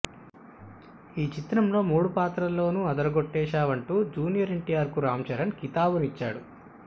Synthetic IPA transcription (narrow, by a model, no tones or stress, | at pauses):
iːt͡ʃit̪ɾɐmlo̞ːmuːɽupaːt̪ɾɐlːo̞ːnuɐd̪ɐɾɐɡoʈːɛːʃaːʋɐɳʈuːd͡ʒuːnijɐɾeɳʈijaːɾkuɾaːmt͡ʃɐɾɐnkit̪aːʋunit͡ʃːaːɽu